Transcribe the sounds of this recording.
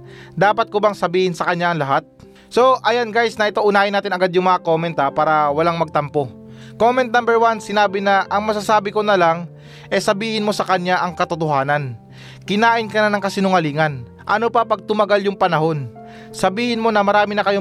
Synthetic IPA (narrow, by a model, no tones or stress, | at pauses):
d̪aːpɐt̪̚kobɐŋsɐbiːhɪnsɐkɐnɲjaʔːŋlɐɦat̪̚ | so̞ʔɐjanɡajsnɐʔɪt̪oʔʊnaːjɪnaːt̪ɪnɐɡad̪jʊŋmɐɐkomɛnt̪apaːɾɐwɐlaŋmɐɡ̚t̪ɐmpo̞ | ko̞mɛnt̪nambɛɹwansɪnaːbɪnɐʔɐŋmɐsasaːbɪko̞nɐlaŋ | ʔɛsɐbiːhɪnmo̞sɐkɐɲjaʔɐŋkɐt̪ʊt̪ʊɦaːnɐn | kɪnaːʔɪnkɐnanɐŋkɐsɪnʊŋɐliːŋɐn | ʔɐ̰nopɐpɐɡ̚t̪ʊmɐɡaljʊŋpɐnɐɦo̞n | sɐbiːhɪnmo̞nɐmɐɾaːmɪnɐkɐjo